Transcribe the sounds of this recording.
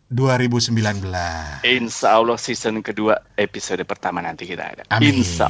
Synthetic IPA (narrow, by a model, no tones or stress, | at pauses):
duaɾibusəmbilanbəlasinsawlɔsisənkəduaepisodpərt̪amanant̪ikit̪a̰da̰aminsa̰